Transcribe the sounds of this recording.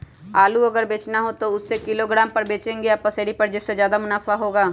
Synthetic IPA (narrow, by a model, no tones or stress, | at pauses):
aːluəɡəɾbeːt͡ʃnaɦot̪oʊsːekɪloːɡɾaːmpəɾbeːt͡ʃẽːŋɡeapəseːɽipəɾd͡ʒɪsːezjaːd̪amʊnaːfʰaɦoːɡaː